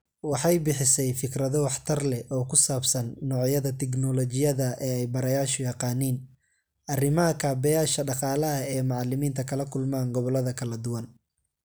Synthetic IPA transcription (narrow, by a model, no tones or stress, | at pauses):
wɑħɑjbɪħɪsɛjfɪkrɐðɔwɑħt̪ʰɐrlɛɔːkʰʊsaːbsɐnːɔːʕjɐðɐt̪ʰɛknɔlɔt͡ʃɪjɐðɐʔɛːɛjbɐɾɐjaːʃʊjɑqɑːniːn | ʔɐrɪmɐɦɐkʰaːbɛjaːʃɐɖɑqɑːlɐɦɐɛːmɑʕɑlɪmiːnt̪ʰɐkʰɐlɐkʰʊlmaːŋɡɔβɔlɐðɐkʰɐlɐd̪ʊwɐn